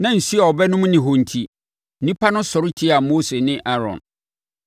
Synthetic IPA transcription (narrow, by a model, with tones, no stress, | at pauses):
nã˨n̩˨si˦a˨ɔ˨bɛ˦nʊ̃˦m˦nɪ̃˨ɦõ˨n̩˨tʰi˨ | nĩ˦pʰa˦nʊ̃˦sɔ˨ɾɪ˦tʰi˦a˨moː˦se˨nɪ̃˦ʔa˦ɾɔ̰̃˨n